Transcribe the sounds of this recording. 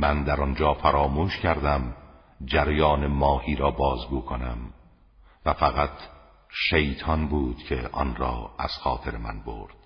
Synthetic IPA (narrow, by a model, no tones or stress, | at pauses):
mænd̪æɾɒnd͡ʒɒːfæɾɒːmuːʃcʰæɾd̪æm | d͡ʒæɾjɒːnemɒːhiːɾɒːbɒːzɡuːkʰonæm | væfæɣæt̪ʰ | ʃejt̪ʰɒnbuːd̪̥cʰe̞ʔɒ̰nɾɒ̰ːæ̰z̥xɒːt̪ʰe̞ɾemæ̰nbo̰ɾd̪̥